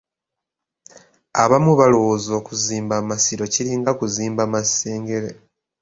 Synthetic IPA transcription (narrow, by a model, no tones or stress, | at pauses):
a̰βamuβalowozo̞ːkuziːmbamasiɾo̞ciɾiːŋɡakuziːmbamaseːŋɡe̞ɾe